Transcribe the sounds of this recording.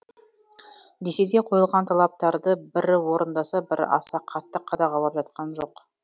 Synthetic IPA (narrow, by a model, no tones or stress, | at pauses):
d̪ese̞d̪e̞qʰo̞jəlˠʁɑnt̪ʰɑlˠɑp̚t̪ɑɾd̪əbɪɾwo̞ɾənd̪ɑsɑbɪɾɑ̰sɑqʰːɑt̪ːəqʰːɑd̪ɑʁɑlˠɑpʒɑt̪̚qʰɑnʒo̞q